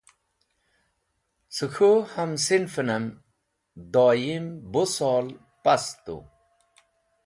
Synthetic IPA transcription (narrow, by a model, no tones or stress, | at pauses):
t͡suxuhamsinfənəm | d̪ɔːjimbusɔːl | past̪ṵ